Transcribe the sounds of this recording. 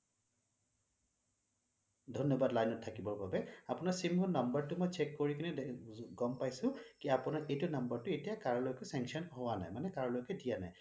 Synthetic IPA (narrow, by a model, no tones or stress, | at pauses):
dʱɔnjɔbadlajnɔtʰːakibɔɹbabɛapʊnaɹsimɔnɔmbaɹtʊmɔjt͡ʃɛkːoɹikinɛɡɔmpajsʊ̃kiapʊnaɹʔejtʊnʌmbaɹtʊetijakaɹlojkɛsɛ̃ŋksiɔnɦɔwana̰jmanɛkaɹlojkɛdijana̰j